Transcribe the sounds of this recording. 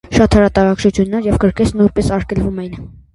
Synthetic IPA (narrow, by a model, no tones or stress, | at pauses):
ʃɑt̪ʰɑɾɑt̪ɑɾɑkt͡ʃut͡sʰjunːɑɾjɛvkəɾkɛt͡sʰnujnpɛsɑɾkʰɛlvumɛjn